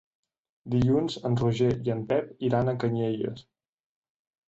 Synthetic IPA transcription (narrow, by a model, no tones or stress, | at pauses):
d̪iʎunzənruʒeiənp̪ɛpiɾanəkəɲeʎə̰s